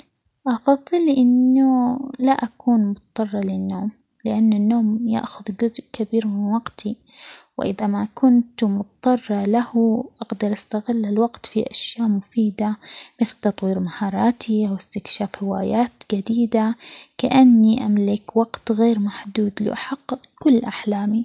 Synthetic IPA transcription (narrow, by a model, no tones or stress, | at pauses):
ʔɑfɑðˤːɨlʔɪnːʊlaʔakuːnmʊt̪t̪ˤːɑrˤːɑlɪnːoːm | lɪʔanːanːoːmja̰ʔxʊðd͡ʒʊzʔkabiːɾmɪnwɑɡt̪ʰi | wʔɪðamakʊnt̪mʊt̪t̪ˤːɑrˤːɑlahʔaɡd̪ɑɾˤʔast̪aɣɪlːɪlwaɡt̪fiʔaʃjaːʔmʊfiːd̪amɪθlt̪ɑt̪ˤwiːɾmahɑːɾˤɑːt̪ʰiʔawɪst̪ɪkʃaːfhɪwaːjaːt̪d͡ʒad̪iːd̪akaʔanːiʔamlɪkwɑɡt̪ɣeːɾmaħd̪uːd̪lɪ̰ʔaħɑqː | kʊlːʔaħlaːmi